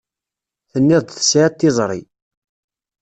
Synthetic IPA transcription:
θənːɪðˤd̪θə̥sʕat̪ːɪzˤɾˤḭ

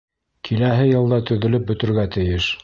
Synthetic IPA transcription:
kʰilæɦɘjɤ̆lˠd̪ɑt̪ɵ̆ðɵ̆lɘp̚bɵ̆t̪ɘ̆ɾɡæt̪ɘ̆jɘʃ

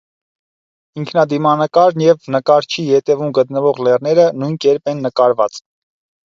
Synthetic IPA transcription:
iŋkʰnɑd̪imɑnəkɑɾnjɛvnəkɑɾt͡ʃʰihɛt̪ɛvumɡət̪nəvɔʁlɛrnɛɾənujnkɛɾpɛnːəkɑɾvɑt͡s

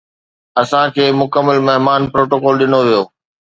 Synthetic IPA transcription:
ɐsãkʰeːmʊkəmːəlmɐɦmaːnpɾoːʈoːkɔːlɗɪnoʋijoː

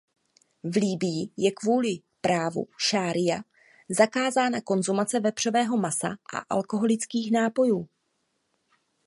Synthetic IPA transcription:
vliːbɪjɪjɛkvuːlɪ | pɾaːvṵʃaːɾɪja | zakaːzaːnako̞nzumat͡sɛvɛbr̝̥ovɛːɦo̞masa̰ʔa̰ʔa̰lko̞ɦo̞lɪt͡skiːxnaːpo̞juː

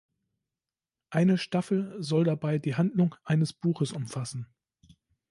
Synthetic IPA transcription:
ʔaɪnəʃtafl̩zɔldabaɪdiːɦandlʊŋʔaɪnəsb̥uːxəsʊmfasn̩

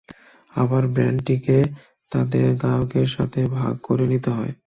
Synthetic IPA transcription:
abaɾbɾɛɳʈike | t̪ad̪eɾɡaokeɾʃa̰t̪ʰebʱa̰ɡ̚koɾenit̪eɦɔe

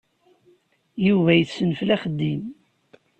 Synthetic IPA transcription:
juvæjəθsənflæχəd̪ːim

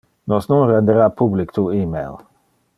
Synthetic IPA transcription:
nɔsnunrɛnd̪eɾapublikt̪uiːmejl

